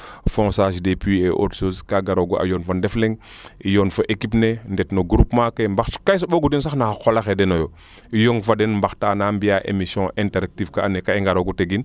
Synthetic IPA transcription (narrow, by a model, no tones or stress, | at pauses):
fõsaʃ̬depieʔo̰tsoskaɡaɾoɡua̰jonfandefleŋ | ijonfoʔekipnendetnoɡuɾupmakembaxskajs̬oɓoɡudinsaxnaxolaxedenojo | ijoŋfadenmbaxtaːnambiaʔḛmisɔ̃ʔɛ̃nteɾak̚tifkaːnekaiŋɡaɾoɡuteɡin